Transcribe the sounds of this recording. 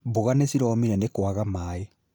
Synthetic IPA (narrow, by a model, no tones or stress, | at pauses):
boɣanesiɾɔmiɾɛnekoaɣamaːe